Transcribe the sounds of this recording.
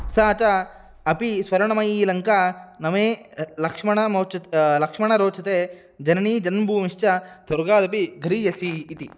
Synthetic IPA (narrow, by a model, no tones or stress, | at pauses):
saːt͡ʃɐ | ɐpisʋɐɾɐɳɐmɐjiːlɐŋkanɐmeːlɐkʂmɐɳɐmɐːt͡ʃɐlɐkʂmɐɳɐɾoːt͡ʃʰɐt̪eː | d͡ʒɐnɐɳiːd͡ʒɐnbʱuːmiʃt͡ʃɐsɐɾɡaːd̪ɐpiɡʱɐɾijɐsiːt̪i